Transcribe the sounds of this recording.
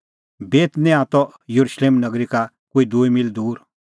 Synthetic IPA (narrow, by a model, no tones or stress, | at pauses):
beːt̪nɛ̃at̪ɔ | jɐɾuʃleːmnɐɡɾika | koːid̪uːimild̪uːɾ